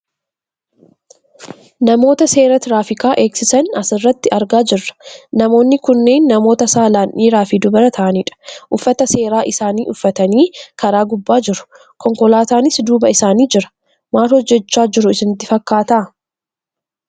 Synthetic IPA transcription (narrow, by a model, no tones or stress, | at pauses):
nɐmo̞ːt̪ɐse̞ːɾɐt̪ɪɾaːfɪkaːʔe̞ːksɪsɐnɐsɪrːɐt̪ːɪɐɾɡaːd͡ʒɪrːɐ̥nɐmo̞ːnːɪkʊnːe̞ːnːɐmo̞ːt̪ɐsaːlaːnʔiːɾaːfiːd̪ʊbɐɾɐt̪ʰɐʔɐniːᶑɐ̥ʔʊfːɐt̪ɐse̞ːɾaːʔɪsaːniːʔʊfːɐt̪ɐniːkɐɾaːɡʊbːaːd͡ʒɪɾʊ̥ | kɔŋkɔlaːt̪aːnɪsd̪uːbɐɪsaːniːd͡ʒɪɾɐ̥ | maːlhɔd͡ʒːɛt͡ʃːaːd͡ʒɪɾʊɪsɪnɪt̪ːɪfɐkːaːt̪aː